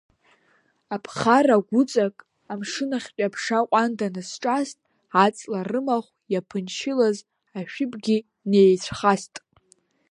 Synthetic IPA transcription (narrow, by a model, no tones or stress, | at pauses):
apʰχaraɡʷʊt͡sʼakʼ | amʂɨnaχʲt͡pʲʷʼapʰʂaqʷʼandʰanɨsʈ͡ʂʼastʼ | at͡sʼlarɨmaχʷjapʰɨnʃɪlaz | aʃᶣɪpʼɡʲi | nejt͡ɕʷʰχastʼ